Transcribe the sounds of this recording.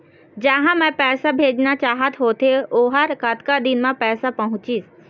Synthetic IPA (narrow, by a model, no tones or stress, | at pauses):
d͡ʒɐɦãmɛ̃pɛːsabʱeːd͡ʒnat͡ʃaːɦət̪ɦoːt̪ʰeoːɦəɾkɐt̪kad̪ɪnmãpɛːsapɐɦʊ̃t͡ʃis